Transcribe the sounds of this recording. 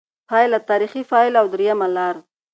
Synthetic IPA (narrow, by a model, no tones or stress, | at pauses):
pɑjlat̪ɑɾixifɑɪlawd̪ɾijamalɑɾ